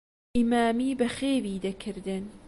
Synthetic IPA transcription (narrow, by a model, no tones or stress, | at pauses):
ʔimaːmiːbɐxeːviːd̪ɐkʰɨɾd̪ɨn